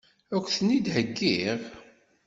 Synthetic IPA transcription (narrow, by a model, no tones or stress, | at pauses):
ækʷːθnid̪həɡːiʁ